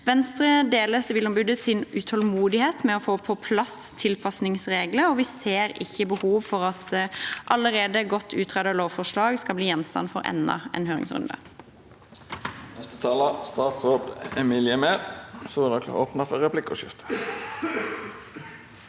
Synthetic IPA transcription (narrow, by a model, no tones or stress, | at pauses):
ʋɛnst̪ʁəd̪eːləsʋɪlʊmbʏd̪əsɪnʉt̪ʰɔlmuːd̪ɪheːt̪mɛɔfoːpʰɔpʰlɑst̪ʰɪlpʰɑsnɪŋsʁeːɡləɔʋɪseːʁɪçːəbəhuːʋfɔʁɑt̪ʔɑləʁeːd̪əɡɔt̪ʰːʉːt̪ʰʁɛːd̪ɑloːʋfɔʁʂlɑːɡskɑlbliːjɛnst̪ɑ̰nfɔ̰ɾɛ̰nːɑ̰ɛ̰nɦøːʁɪ̰ŋsʁʉ̰nd̪ɑ̰ | nɛst̪ə̥t̪ʰɑːləst̪ɑːt̪sʁoːbɛmiːlɪəmeːlsɔːnɔko̰ːpnəfɔɾʁɛpʰlɪkːɔʃɪ̰ft̪ə̥